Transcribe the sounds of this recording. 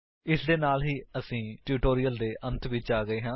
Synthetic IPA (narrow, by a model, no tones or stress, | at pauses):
ɪsd̪eːnaːlɦiːəsĩːʈjuːʈoːɾɪjəld̪eːʔʔə̃nt̪ʰʋɪt͡ʃaːɡəeːɦãː